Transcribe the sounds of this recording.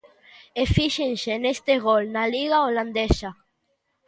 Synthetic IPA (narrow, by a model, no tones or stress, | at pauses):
efiʃensenest̪eɣolnaliɣaoland̪esa